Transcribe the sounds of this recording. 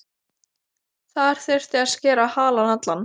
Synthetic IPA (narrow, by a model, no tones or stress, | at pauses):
θaðɛɾ̥θɛr̥t̪ɪascɛːɾahaːlanat̪lan